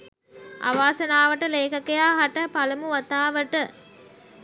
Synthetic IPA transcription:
ʔa̰ʋaːsɐnaːʋəʈəleːkɐkejaːɦɐʈəpɐlɐmuʋɐt̪aːʋəʈə

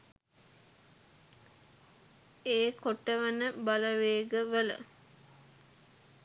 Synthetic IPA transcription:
eːkoʈːəʋənəbaləʋeːɡəʋələ̰

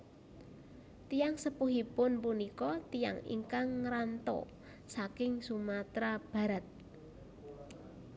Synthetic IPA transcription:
t̪ijaŋsəpuɦipʊnpunikɔt̪ija̰ŋḭŋkaŋːɾant̪ɔ̰ | sakɪŋsumat̪ɾab̥ä̤ɾət̪̚

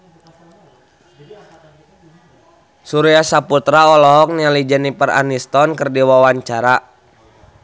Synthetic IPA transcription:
suɾiasaput̪ɾaɔlɔɦɔk̚nialid͡ʒənipəra̰nist̪ɔnkərdiwawaɲt͡ʃaɾa

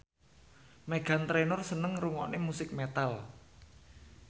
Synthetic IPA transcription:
meɡ̥a̤nt̪ɾenʊrsənəŋruŋɔ̰ʔnemusɪk̚met̪al

